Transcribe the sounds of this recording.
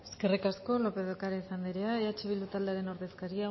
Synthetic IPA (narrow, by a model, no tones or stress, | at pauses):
eske̞rikasko̞lo̞pe̞ðokaɾaisand̪iɾeaat͡ʃeβild̪ut̪ald̪eaɾe̞no̞ɾðe̞skaɾia